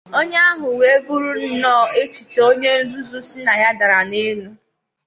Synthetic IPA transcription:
o˦ɲ˦a˦ɦʊ˨we˦bu˦ɾu˦n̩˦nɔː˦˨e˦t͡ʃi˨t͡ʃo˦ɲe˦n̩˦zu˦zu˦si˦na˨ja˦da˨ɾa˨ne˦nu˦

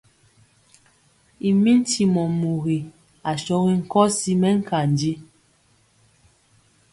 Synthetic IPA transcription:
i˨mi˦n̩˦tʰi˨mɔ˨mu˨ɣi˨ | a˨ʃɔ˦ɣi˦ŋ̩˨kɔ˦si˦mɛ˦ŋ̩˦ka˨n˨di˦

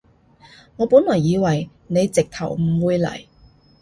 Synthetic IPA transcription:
ŋɔː˨˧puː˨˥nlɔː˨˩jːiː˨˧wɐ˨˩j | ne˨˧jt͡sɪ˨k̚t̪ʰɐ˨˩wm̩˨˩wuː˨˧jlɐ̰˨˩j

